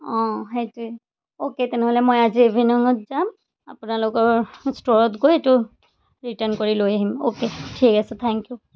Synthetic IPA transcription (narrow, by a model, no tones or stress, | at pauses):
ɔ̃ɦetu | oket̪ɛnɛɦolɛmojaziebʱinɔŋɔtzam | a̰pʊnalʊkɔɹstoɹɔtɡojetu | ɹitənkoɹilojaɦimo̰ketʰikasut̪ʰɛŋkju